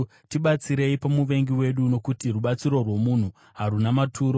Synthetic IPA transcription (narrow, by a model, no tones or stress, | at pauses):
tiɓat͡siɾe̞ipamuʋe̞ŋɡiwe̞ɗuno̞kutiruɓat͡siɾo̞rwo̞mun̤u | ɦarunamatʰuːɾo